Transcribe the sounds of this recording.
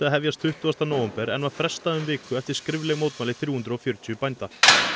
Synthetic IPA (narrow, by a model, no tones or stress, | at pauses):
aɦɛvjast̪θʏht̪ʏast̪anoːwɛmpɛɾɛ̰nvaðfɾɛst̪aðʏmvɪːkʏɛft̪ɪɾ̥skɾɪvlɪmoːwt̪maːlɪθɾjuːhʏnt̪ɾʏɔfjœɾʏt̪ʰʏʏpajnt̪a